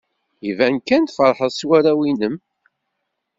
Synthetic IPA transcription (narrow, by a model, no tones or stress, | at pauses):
ivænkænt̪fɾˤħəðˤswæɾæwinəm